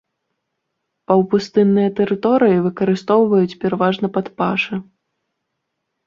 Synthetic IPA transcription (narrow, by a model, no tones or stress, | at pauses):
pɐwpust̪ɨnːɨjɐt̪ɛɾɨt̪ɔɾɨjivɨkɐɾɨst̪ɔwvɐjut͡sʲpʲɛɾɐvaʐnɐpɐt̪paʂɨ